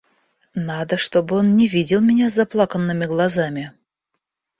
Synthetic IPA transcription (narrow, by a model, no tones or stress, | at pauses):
nad̪əʂt̪o̞bɨo̞nnʲɪvʲidʲɪlˠmʲɪnʲazɐplˠakənːɨmʲɪɡlˠɐzamʲɪ